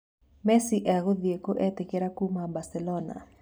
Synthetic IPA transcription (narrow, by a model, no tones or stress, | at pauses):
mɛsiʔɛɣoðjekoʔɛtɪkeɾakumabasɛlɔna̰